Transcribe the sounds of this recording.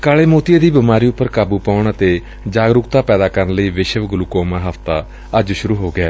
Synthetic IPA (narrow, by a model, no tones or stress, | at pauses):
kaːleːmoːt̪ijeːd̪iːbɪmaːɾiːʊpːəɾkaːbuːpaːʊɳət̪eː | d͡ʒaːɡɾʊkt̪aːpɛːd̪aːkəɾənləiːʋɪʃəʋɡʊluːkoːmãːɦəft̪aː | əd͡ʒʃʊɾuːɦoːɡɪaː